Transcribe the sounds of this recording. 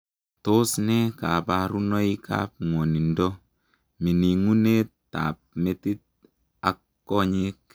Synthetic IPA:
to˦snɛ˦ka˨pa˨ɾu˦nɔ˦ikʰa̰˦p̚ŋwɔ˨ni˨ndɔ | mi˨ni˨ŋu˦ne˦tː | a̰˨p̚me˦ti˦t̚ | a˨kːɔ˦ɲek̚

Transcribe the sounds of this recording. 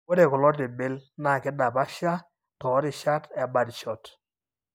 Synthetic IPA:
wɔ˦dɛ˨kɔ˨lɔ˦t̬ɪ˨bɪ˦lna˨kɪ˦da˨pa˦ʃa˦ | tɔ˨˦ɾɪ˨ʃa˦tɛ˨ba˨dʃɔ˨t

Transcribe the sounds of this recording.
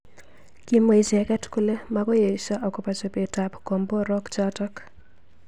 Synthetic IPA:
kji˨mo˨i˨t͡ʃɛ˨kɛ˦tku˦le˦makɔ˦je˨iʃa˦ʔɔ˨kɔ˨pa˨t͡ʃo˨pe˨ta˨pkɔ˨mbɔ˦ɾɔ˦kt͡ʃatɔ˦k

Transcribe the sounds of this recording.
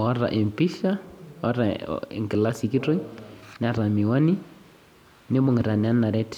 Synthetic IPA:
ɔ˦ɾa̰˨ʔe˨mpi˦ʃa˦ɔ˦ɾa˨ɪ̰˨ŋkɪ˨la˦si˨ki˦to˦inɪ˦a˨ɾa˨mi˨wa˦ni˦ | nɪ˦mo˨ŋɪ˨ɾa˨nɪ˨a˦na˨ɾɛ˦t

